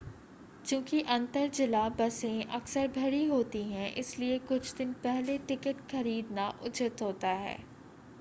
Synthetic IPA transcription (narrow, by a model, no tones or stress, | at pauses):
t͡ʃjũːkiʔɐ̃nt̪əɾd͡ʒɪlabɐsẽʔɐksəɾbʱɐɽiɦoːt̪iɦɛ̃ʔɪ̰sliekʊt͡ʃʰd̪ɪnpɛɦleʈɪkəʈxɐɾiːd̪naʔʊt͡ʃət̪ɦoːt̪aɦɛ̰ː